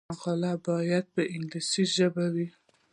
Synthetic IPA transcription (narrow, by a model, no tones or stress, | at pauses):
aqɑlabɑjad̪̚bəʔɪŋɡlisiʒəbawi